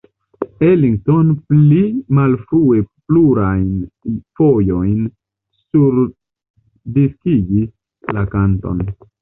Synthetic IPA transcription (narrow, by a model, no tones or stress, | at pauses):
eliŋɡ̚to̞nplimalfɾue̞pluɾajnfo̞jo̞jn | suɾ | diskiɡi | lakanto̞̰n